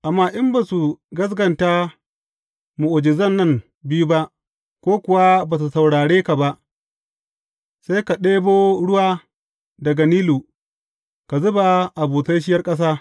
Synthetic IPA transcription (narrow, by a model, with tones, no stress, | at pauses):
ʔa˨mːaː˦˨ʔɪ˦mba˨su˨ɡɐ˦s̬ɡɐ˨nta˦ | mu˨ʔʊ˨d͡ʒɪ˨zɐ˦nːɐ˦m | bɪ˦ju˦ba˦ʔ | kʷoː˦kʷʊ˨wa˦baː˨s̬u˨sa˨wɽaː˨ɽeː˦ka˨ba˦ʔ | sa˦jka˨ɗeː˦boː˦ɽʊ˦waː˦ | dɐ˨ɡa˨niː˦luː˨ | ka˨zʊ˦ba˨ʔa˨buː˨sa˦jʃ̬ɪ˦jɐ˦rkʼɐ˦s̬aː˦